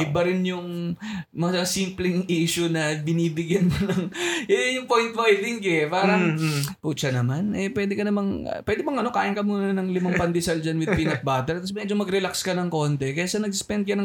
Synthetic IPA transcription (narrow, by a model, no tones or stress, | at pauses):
ʔɪbɐɾɪnjʊŋ | mɐsimplɪŋʔiːʃʊnɐbɪniːbɪɡjɐnmonɐŋʔɛjʊŋpojnt̪bajd̪ɪŋɡɛpaːɾɐŋpuːt͡ʃɐnɐmanʔɛpwɛːd̪ɪkɐnɐmɐŋɐ̰pwɛːd̪ɪmɐŋʔɐno̞kaːʔɪnkɐmuːnɐnɐŋlɪmaŋpɐnd̪ɪsɐld͡ʒɐnwɪd̪pinɐt̪̚baːt̪ɛɾt̪ɐsmɛd͡ʒomɐɡɾɛlakskɐnɐŋko̞ːnt̪ɛkɐjaːsɐnɐɡ̚sʊ̥spɛnd̪kɐnɐŋ